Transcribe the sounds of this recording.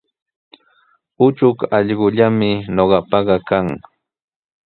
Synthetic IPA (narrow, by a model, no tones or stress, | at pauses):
ʊt͡ʃʊkɑʎɢʊʎamɪnoɢɑpɑɢɑkaŋ